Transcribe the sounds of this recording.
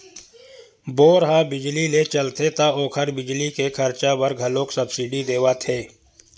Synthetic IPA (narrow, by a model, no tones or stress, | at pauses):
boːɾɦabɪd͡ʒlilet͡ʃɐlt̪ʰet̪aoːkʰəɾbɪd͡ʒlikekʰɐɾt͡ʃabəɾɡʱɐlõːksɐbsɪɖid̪eːwat̪ʰeː